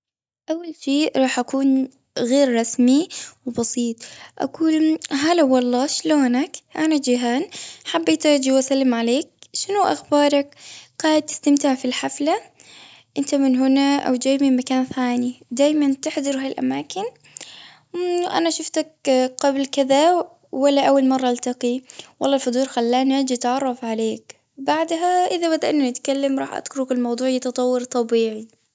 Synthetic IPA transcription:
ʔawːalʃeːɾˤɑːħʔakuːn | ɣeːɾːˤɑsmiwɪbɑsiːt̪ˤʔa̰kuːlɦalawːɑlˤːɑːʃloːnakʔanad͡ʒɪɦaːnħabːeːt̪ad͡ʒiwʔasalːɪmʕaleːk̚ʃɪnuʔa̰xbɑːɾˤɑkɡ̥aːʕɪd̪̚t̪ɪ̥st̪amt̪ɪʕfilħafla | ʔɪnt̪amɪnɦʊnaʔa̰wd̪aːjmɪnmakaːnθaːnid̪aːjmant̪ɪħd̪ɑɾhaːjlʔa̰maːkɪn | ʔa̰naʃʊft̪akqablkɪða | walːaʔawːalmɑrˤːɑʔalt̪ɑqiwɑlˤːɑːlfʊd̪uːɾxalːaːnad͡ʒɪt̪ʕɑrˤːɑfʕaleːk | baʕd̪ɦaʔɪðabad̪aʔɪnːanɪt̪kalːamɾˤɑːħʔa̰d̪̥kʊɾʊkɪlmɑwd̪ˤuːʕjɪt̪ɑt̪ˤɑwːɑɾt̪ˤɑbiːʕi

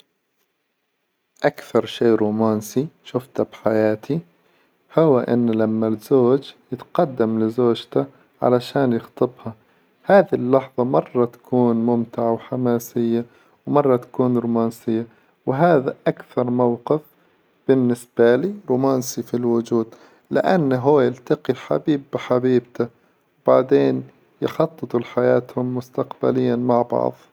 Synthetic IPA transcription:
ʔakθɑɾˤʃeːɾuːmaːnsiʃʊft̪abħajaːt̪ʰi | hʊwaʔɪ̰nːlamːalzoːd͡ʒjɪt̪qɑd̪ːamlɪzoːd͡ʒt̪a | ʕa̰laʃaːnjɪxt̪ˤɨbha | haːðilːɑħðˤɑmɑrˤːɑt̪ḁkuːnmʊmt̪ɪʕawħamaːsɪjːa | wmɑrˤːɑt̪ḁkuːnɾʊmaːnsɪjːa | wɪɦaːðaʔakθɑɾˤmawqɪf | b̥ɪnːɪsb̥aliːɾʊmaːnsifilwʊd͡ʒuːd̪ | lɪ̰ʔanːɦʊːjɪlt̪aqiħa̰biːbːɪħabiːbt̪a | wb̥aʕd̪eːn | jɪ̰xɑt̪ˤːɨt̪ˤulħajaːt̪hʊmːʊst̪aqba̰lɪjːanmaʕbɑ̰ʕðˤ

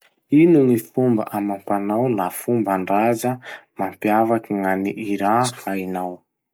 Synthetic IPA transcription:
inunifumba̰ʔamampanawlafumbaɳɖ͡ʐazəmampjavakiŋaniʔiɾahajnaw

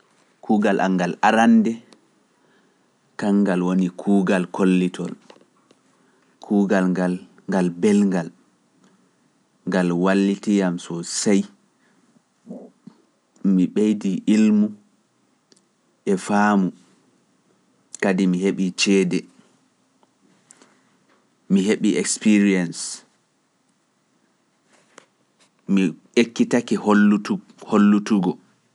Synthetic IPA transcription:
kʰuːɡalʔa̰ŋːɡalʔaɾandɛ | kaŋːɡalwonikʰuːɡalkolːitʰɔl | kʰuːɡalal | ŋɡalbɛlŋɡal | ŋɡalwalːitijamsɔsaj | miɓejdiʔilmu | ʔɛfaːmu | kadimiɦeɓit͡ʃɛːdɛ | miɦeɓiʔɛkspiɾiɛns | mi | ekːitakih | holːutuɡɔ

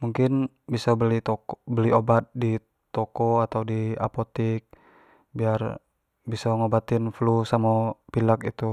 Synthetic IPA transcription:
muŋkɪn | bisabəliɔbəliobat̪̚di | t̪ɔkɔat̪awdia̰pot̪ik̚ | biar | bisaŋobat̪ɪnflusamapilakit̪u

